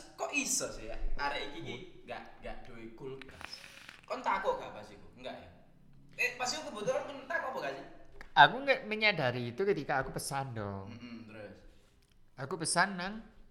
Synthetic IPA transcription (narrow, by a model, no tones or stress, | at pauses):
kɔʔisɔsɪhja̰aɾɛʔikikiŋɡa̰ʔŋɡaʔd̥oikulkaskɔnt̪akuɡapasikuŋɡaʔɛ̰ | epasikukubət̪ɔlankɔnt̪akɔbɔkad͡ʒiakuŋɡaʔməɲadaɾiːt̪ukət̪ikaːkupəsand̪ɔ̰t̪əɾʊs | akupəsanːaŋ